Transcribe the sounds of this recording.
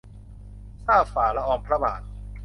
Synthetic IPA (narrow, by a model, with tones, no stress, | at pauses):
saː˥˩faː˩la˦˥ʔɔː˧mpʰɾa˦˥ba̰ː˨˩t̪̚